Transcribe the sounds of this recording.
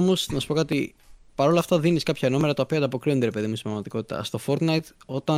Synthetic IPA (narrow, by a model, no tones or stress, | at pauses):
mosnɐsu̥po̞kɐt̪i | pɐɾo̞lɐːft̪ɐðiniskɐpçɐeno̞meɾɐt̪ɐopioɐnd̪ɐpo̞kɾio̞nd̪eɾepe̞ðimunsimvɐmɐt̪iko̞t̪it̪ɐ̰st̪o̞fo̞ɾt̪nɐjt̪o̞t̪ɐ